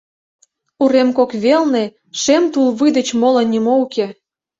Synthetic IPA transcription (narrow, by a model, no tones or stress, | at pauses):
uɾemkokβelne | ʃemt̪ulβɨjd̪ĕt͡ɕmolɤnʲimouke